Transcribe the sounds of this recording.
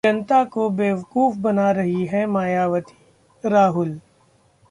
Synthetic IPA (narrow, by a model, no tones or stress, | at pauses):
ɐ̃nt̪akobeːʋɐkuːfbɐnaɾɐɦiɦɛmaːjaːʋət̪i̥ | ɾaːɦʊl